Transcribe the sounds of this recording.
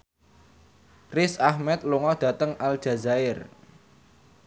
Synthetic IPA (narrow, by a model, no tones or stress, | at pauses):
rɪsahmɛt̪̚luŋɔd̪̥ä̤t̪əŋʔald̥ʒ̥a̤zaɪr